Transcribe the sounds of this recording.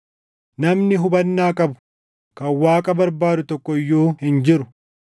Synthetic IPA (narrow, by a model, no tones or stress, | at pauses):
nɐmnɪɦʊbɐnːaːkʼɐbʊ̥ | kɐwaːkʼɐbɐɾbaːd̪ʊt̪ɔkːɔɪjːoːhɪnd͡ʒɪɾʊ